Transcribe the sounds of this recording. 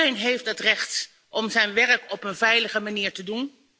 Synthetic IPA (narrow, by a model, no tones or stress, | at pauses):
ejnɦejftdɑtrɛχt | ʔɔmzɛjnʋɛɹəkɔpənvɛjləχəmaniːɹtədun